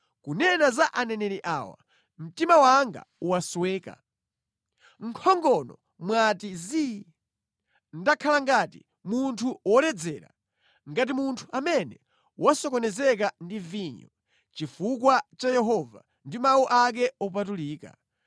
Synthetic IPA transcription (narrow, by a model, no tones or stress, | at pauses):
kunɛnazaʔanɛnɛɾiʔa̰ːwa̰ | m̩timawaŋɡa̰uwaswɛːka̰ | ŋ̩kʰɔŋɡɔnɔ̰ | mwatizi | ndakʰalaŋɡatḭ | muntʰuwɔlɛd͡zɛːɾa̰ | ŋɡat̬imuntʰu̥ʔamɛnɛ | wasɔkɔnɛzɛk̬andiviɲɔ | t͡ʃifukwat͡ʃajɛɦɔva̰ | ndimauʔak̬ɛɔp̬at̬uliːka̰